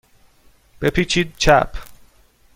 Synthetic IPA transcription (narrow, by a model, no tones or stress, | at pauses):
b̥e̞pʰiːt͡ʃʰiːd̪̚t͡ʃʰæpʰ